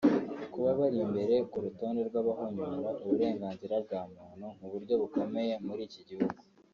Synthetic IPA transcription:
kuβaβaɾimbe̞ɾe̞kuɾuto̞ːnde̞ɾɡwaβahoɲoːɾaʔuβuɾe̞ːŋɡaːnziɾab̚ɡaːmuːnhuŋuβuɾɟo̞βuko̞me̞je̞muɾiːciɟihuɡu

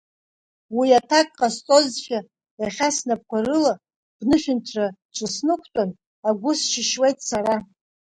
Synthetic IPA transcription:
wiatʰakʼqʼast͡sʼo̞zʃʲa | jaχʲasnap̚kʷʰarɨla | b̥nɨʃᶣʊntʰrat͡ʃʷʰʼɨsnɨkʷʰtʷʼan | aɡʷʊsʃɪʃwejtʼsaɾa

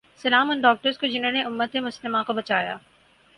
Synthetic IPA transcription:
sɐlaːmʊnɖɔːk̚ʈəɾskod͡ʑɪnənẽʔʊmːət̪emʊst̪əmãkobɐt͡ɕaːja̰ː

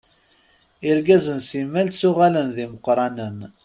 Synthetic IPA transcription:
ɪɾɡæzənsimːælt͡sːʊʁælənðiməqːɾˤɑnən

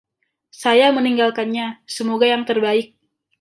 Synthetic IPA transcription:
sajaməniŋɡalkanɲasəmoɡajaŋt̪ərbaɪk̚

